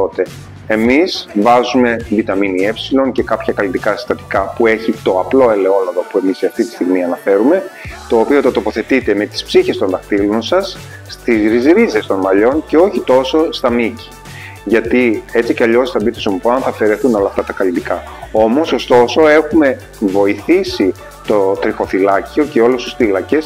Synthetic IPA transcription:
t̪o̞t̪e̞ | emizvɐzume̞vit̪ɐminie̞psilo̞nce̞kɐpçɐkɐlind̪ikɐsi̥st̪ɐt̪i̥kɐpue̞çit̪o̞ɐplo̞e̞le̞o̞lɐðo̞pue̞misiɐft̪it̪i̥st̪iɣmiɐnɐfe̞ɾume̞t̪o̞ːpio̞t̪ɐt̪o̞po̞θe̞t̪it̪e̞me̞t̪i̥spsiçe̞st̪o̞nðɐxt̪ilo̞nsɐs | t̪izɾizɾize̞st̪o̞nmɐʎo̞nce̞o̞çit̪o̞so̞st̪ɐmici̥ | ʝɐt̪ie̞t͡siceɐʎo̞st̪ɐbit̪osomupoɐnθɐfe̞ɾe̞θuno̞lɐft̪ɐt̪ɐkɐlid̪ikɐ | o̞mo̞so̞st̪o̞so̞e̞xume̞ | vo̞iθisi | t̪o̞t̪ɾixo̞θilɐcio̞ce̞o̞lust̪u̥sθilɐce̞s

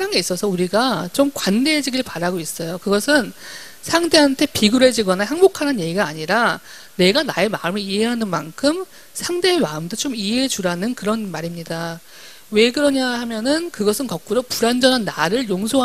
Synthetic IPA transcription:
ɾaŋeis͈ʌsʰʌuɾiɡat͡ɕomkwandeɦed͡ʑiɡiɭpaɾaɡois͈ʌjokɯɡʌsʰɯn | sʰaŋde̞ɦantʰe̞piɡuɾe̞d͡ʑiɡwʌnaɦaŋbokʰananje̞ɡiɡaːɲiɾa | ne̞ɡanae̞maɯmɯɭiɦeɦanɯnma̰nkʰɯm | sʰaŋde̞ːmaɯmdot͡ɕomiɦeet͡ɕuɾanɯnkɯɾʌnmaɾimɲida | we̞ɡɯɾʌɲahamjʌnɯnkɯɡʌsʰɯnkʌk̚k͈uɾopuɾand͡ʑʌnɦanːaɾɯɭjoŋsʰoɦ

